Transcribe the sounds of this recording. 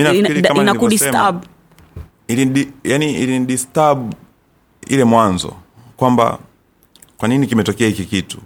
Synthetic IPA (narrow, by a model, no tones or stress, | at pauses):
inaiiaminakudistab | iliɗijaniilinɗistabu | ḭlɛmwanzɔ̰kwamba̰ | kwaninikimɛtɔkɛahikikitu̥